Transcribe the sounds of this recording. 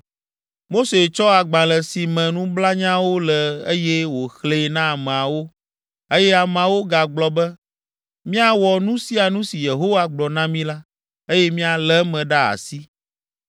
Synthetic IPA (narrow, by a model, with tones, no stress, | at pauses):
mo˦se˨t͡ʃɔ˦a˨ɡ͡bã˨lɛ˨si˨mɛ̃˨nũ˦bla˦ɲã˦wo˦lɛ˨e˦jɛ˦wo˨xle˦nã˦a˨mɛ̃˨a˨wo˦ | e˦jɛ˦a˨m̃˨a˨wo˦ɡa˨ɡ͡blɔ˨bɛ˦ | mĩ˦a˦wɔ˨nũ˦si˦a˨nũ˦si˨je˨ɦo˦wa˦ɡ͡blɔ˨nã˦mĩ˦la˦ | e˦jɛ˦mĩ˦a˨lɛ˦mɛ̃˨ɖa˦a̰˨si˦